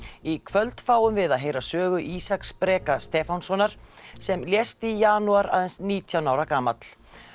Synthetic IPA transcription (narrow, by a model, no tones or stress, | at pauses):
ikʰvœlt̪faːwʏmvɪðaðɦeːjɾasœːɣʏʔiːsakspɾɛːkast̪ɛːfansɔnaɾ̥ | sɛmljɛst̪ijaːnuaɾa̰ːðɛnsniːt̪ʰjawnawɾakaːmat̪l̥